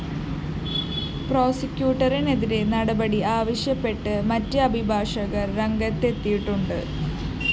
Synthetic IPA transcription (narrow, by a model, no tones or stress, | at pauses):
pro̞ːsɐkjuːʈːɐrine̞ðiɾe̞nɐɽɐbɐɽiaːʋɐɕjɐpːe̞ʈːɨmɐtːɨɐbʱibʱaːʂɐɣɐrːeŋɡɐt̪ːe̞t̪ːijiʈːuɳɖɨ